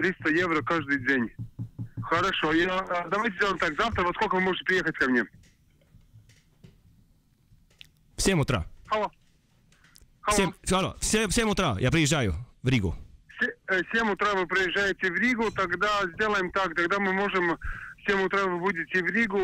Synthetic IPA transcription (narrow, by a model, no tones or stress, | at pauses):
t̪ɾʲist̪əjevɾəkaʐd̪ɨjdʲenʲ | xəɾɐʂojad̪ɐvajt̪ʲɪzʲdʲelˠəjmt̪akzaft̪ɾəvɐskolʲkəvɨmoʐɨtʲɪpɾʲɪjexətʲkɐmnʲe | fsʲemʊt̪ɾa̰xɐlˠo | xɐsemxɐlo̰fsʲefsʲemʊt̪ɾajʔa̰pɾʲɪjɪʒːajʊ̰vɾʲiɡʊ̰fsʲefsʲemʊt̪ɾavɨpɾʲɪjɪʒːajɪtʲɪvɾʲiɡʊt̪ɐɡd̪azʲd̪ʲelˠəjɪmt̪akt̪ɐɡd̪amɨmoʐɨmfsʲemʊt̪ɾavɨbudʲɪtʲɪvɾʲiɡʊ